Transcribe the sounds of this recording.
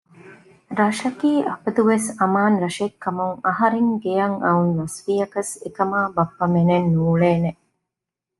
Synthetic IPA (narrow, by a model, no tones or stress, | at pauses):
ɾɐʃɐkiːʔɐpɐd̪uʋesɐmaːnɾɐʃekːɐmuŋɐɦɐɾeŋɡejɐŋɐunnɐsʋiːjɐkɐsekɐmaːbɐpːɐmenenːuːɭeːne